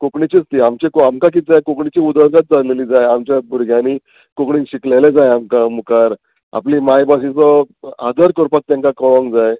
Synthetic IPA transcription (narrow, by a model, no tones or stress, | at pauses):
kokɳit͡ɕit͡st̪iːamt͡ɕekoamkak̬it̪̚d͡zajkokɳit͡ɕiud̪əɾɡat̪̚d͡zaɾleliːd͡zajamt͡ɕjabʱuɾɡʱjaniː | kokɳinɕiklaled͡zajamkamukaɾ | a̰pliːmajbaɕĩt͡sɔad̪ʱəɾkɔɾpat̪̚t̪ːjãŋkakɔɭɔ̃ŋɡd͡zaj